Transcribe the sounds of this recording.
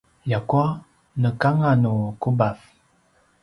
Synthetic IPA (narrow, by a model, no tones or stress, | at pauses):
jakwa | nəkaŋanukubaf